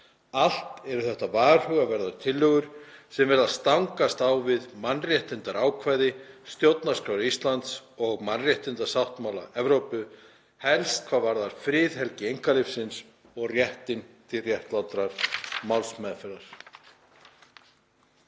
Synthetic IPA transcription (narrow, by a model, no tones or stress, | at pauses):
al̥t̪ɛɾʏθɛht̪avaːɾ̥hœɣavɛɾðaɾt̪ʰɪlːʏɣʏɾ̥sɛmvɛɾðaðst̪awŋkast̪awvɪðmanrjɛht̪ɪnt̪aɾawkʰvajðɪst̪jowt̪naskɾaːwɾʏist̪lant̪sɔɣmanrjɛht̪ɪnt̪asawht̪mawla̰ɛvɾowpʏ | hɛlst̪̚kʰv̥aːðvaɾðaɾ̥fɾɪːðhɛlcɪejŋkalɪfsɪns | ɔɣrjɛht̪ɪnt̪ʰɪlrjɛht̪lawt̪ɾaɾ̥mawlsmɛðfɛɾaɾ̥